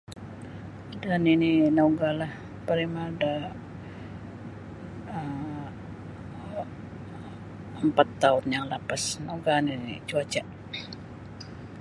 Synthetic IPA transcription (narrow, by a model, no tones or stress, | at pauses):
danininoɡalah | pəɾimada | ə | əmpat̪ːaʊnjaŋlapasnoɡaniit͡ʃuat͡ʃa